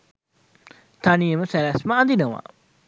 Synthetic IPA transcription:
t̪ʰanijəməsælæsməad̪inəʋa̰

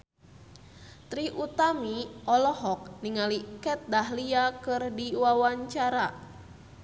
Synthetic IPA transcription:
t̪ɾiʔut̪amiʔɔlɔɦɔk̚niŋalikɛt̪̚daɦliakɨrdiwawaɲt͡ʃaɾa

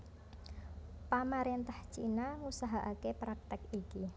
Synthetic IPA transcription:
pamaɾent̪aht͡ʃinaŋusaɦaʔakepɾak̚t̪ɪkiki

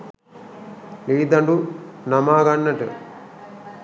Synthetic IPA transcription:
liːd̪ɐɳɖunɐmaːɡɐnːɐʈɨ̰

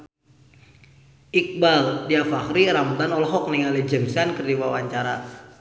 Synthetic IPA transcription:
ʔik̚baldiafakɾiɾamt̪anɔlɔɦɔk̚niŋalɛd͡ʒəmsankərdiwawaɲt͡ʃaɾa

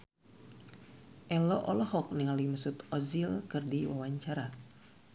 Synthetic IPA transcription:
ʔɛlɔʔɔlɔɦɔk̚niŋalimasut̪ɔzilkɨrdiwawaɲt͡ʃaɾa

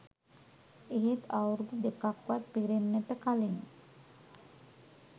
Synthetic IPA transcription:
eɦet̪awɾd̪ud̪ekakwat̪̚piɾenːət̪əkalin

